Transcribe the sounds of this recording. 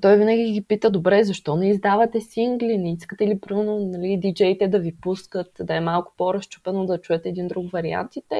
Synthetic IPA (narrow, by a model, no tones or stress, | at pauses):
t̪ɔjvinəɡʲiɡʲipit̪əd̪obɾɛzɐʃt̪ɔnɛizd̪avɐt̪ɛsiŋɡlinɛiskət̪ɛlipɾimɛnonɐlid̪id͡ʒɛjt̪ɛd̪ɐvipuskət̪d̪ɐɛmalˠkʊ̥poɾɐst͡ʃu̥pɛnod̪ɐt͡ʃuɛt̪ɛːd̪ind̪ɾukvɐɾia̰nt̪it̪ɛ